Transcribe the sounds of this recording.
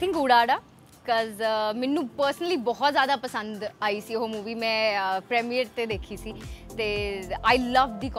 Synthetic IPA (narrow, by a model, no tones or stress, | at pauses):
t̪ʰɪ̃ŋkuːɽaːɽaː | kɔzmɛnːũːpəɾsənəliːbɔːɔt̪zjaːd̪aːpəsə̃nd̪aːiːsiːɦoːmuːʋiːmɛ̃ːpɾɛːmijəɾt̪eːd̪eːkʰiːsiːt̪eːaːjləʋd̪iːkɔ